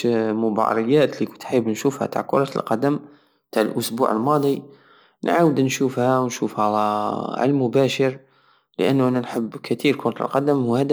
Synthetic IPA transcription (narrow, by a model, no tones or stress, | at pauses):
mʊbɑ̰ɾˤəjːæt̪likʊnt̪ħəbnʃufhæ̰t̪a̰ʕkʊɾˤɑt̪əlqɑd̪əm | t̪aʕəlʔʊsbṵʕə̰lmɑd̪ˤi | nʕawəd̪nʃuːfhæwnʃufhælʕa̰lmʊbæʃəɾ | lə̰ʔənːʊʔænænħəbːkæt̪iɾkʊɾˤɑt̪ə̰lqɑd̪əmhhæd̪